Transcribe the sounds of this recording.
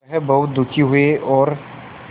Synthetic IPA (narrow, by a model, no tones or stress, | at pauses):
ɦɛbɐɦʊt̪̚d̪ʊkʰiɦueʔɔːɾ